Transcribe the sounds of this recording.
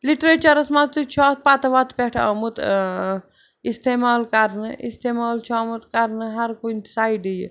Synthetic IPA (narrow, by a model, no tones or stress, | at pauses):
liʈɾet͡ʃɐɾɐsmat͡sɨt͡ʃʰɔːt̪̚ʰpat̪ɐʋat̪pʲeʈʰa̰mut̪ | ist̪eːmaːlkɐɾnɨʔist̪eːmaːlt͡ʃʰamut̪kɐɾnɨɦɐɾkunʲt̪saːiɖij̰